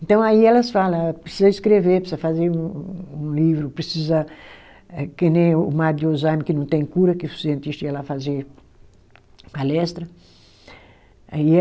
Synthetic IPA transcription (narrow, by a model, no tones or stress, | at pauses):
ẽnt̪ɐ̃w̃aiɛlɐsfalɐ̃pɾesizɐiskɾevepesizɐfazeɾũũlivɾʊpɾesizɐ | ɛkenẽːmaɾd̪ozajmɪkɪnɐ̃w̃t̪ẽj̃kuɾɐkɪʊsiẽnt̪iʃt̪ɐialafazeɾ | palɛst̪ɾɐ | ai